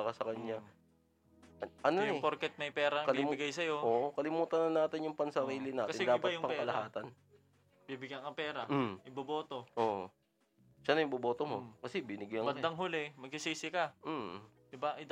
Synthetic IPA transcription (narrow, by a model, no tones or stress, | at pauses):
kɐsɐkɐɲɲa | ɐʔɐnoʊpoɾkɛt̪̚nɐjpɛːɾɐɐkɐlɪmbɪɡajsɐjo̞ʔoːʔʔokɐlɪmuːt̪ɐnɐnːaːt̪ɪnjʊŋpɐŋsɐɾiːlɪnaːt̪kɐsɪnɛd̪aːpɐt̪ʊpɐŋɛkɐlɐhaːt̪ɐn | bibɪɡjaŋkɐpɛːɾɐʔɪbɐboːt̪oʔoːʔ | ʃanɐjʊŋbɐbo̞ːt̪omo̞kɐsɛbɪnɪɡajɐŋbɐnd̪ɐŋɦʊlɪmɐɡ̚sɪsiːsɪkɐ | d̪ɪbaʔɪd̪